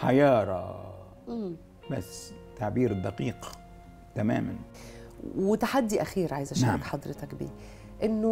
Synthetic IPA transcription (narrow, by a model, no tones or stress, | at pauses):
ħajɑːɾˤɑ̰ | ʔm | bæ̰sː | t̪ːaʕbiːɾɪd̪ːɑqiːq | t̪amæ̰ːma̰n | wɪt̪aħad̪ːiʔaxiːɾʕajzaʃaːɾɑkħɑd̪ˤɾɨt̪ɑkbḭː | ʔɪnːʊ